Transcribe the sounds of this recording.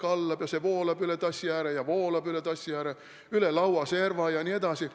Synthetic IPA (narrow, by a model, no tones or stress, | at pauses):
kɑlːɑbjɑseʋoːlɑpylet̪ɑsʲjæːɾejɑʋoːlɑpylet̪ɑsʲjæːɾe | ylelɑuɑseːrʋɑːjɑniet̪ɑsi